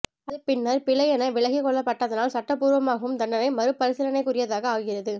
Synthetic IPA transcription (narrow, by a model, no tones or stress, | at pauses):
ɐðɯpɪnːɐɾpɪɭɐjɛnɐʋɪɭɐɣɪkɔɭːɐpːɐʈːaðɐnaːlsɐʈːɐpːuːɾʋɐmaːɣɐʋɯmd̪ɐɳɖɐnɐɪmɐɾɯpːɐɾɪsɪlɐnɐɪkːʊrɪjɐðaːɣɐaːɣɪrɐðɯ